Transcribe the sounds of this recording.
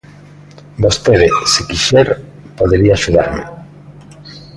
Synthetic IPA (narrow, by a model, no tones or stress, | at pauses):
bost̪eðɪsekiʃɛɾ | poðeɾiaːʃuð̞a̰ɾmɪ̰